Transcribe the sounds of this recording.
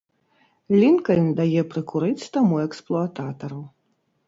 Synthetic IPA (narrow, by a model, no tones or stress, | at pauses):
lʲinkɐnʲd̪ajɛpɾɨkuɾɨt͡sʲt̪amuɛksplˠɔat̪at̪ɐɾu